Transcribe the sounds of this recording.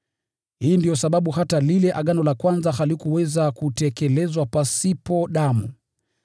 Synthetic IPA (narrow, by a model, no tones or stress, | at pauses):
hiːndijɔsaɓaɓuhatalilɛʔaɠanɔlakwanzahalikuwɛzakutɛkɛlɛzwapasipɔɗamṵ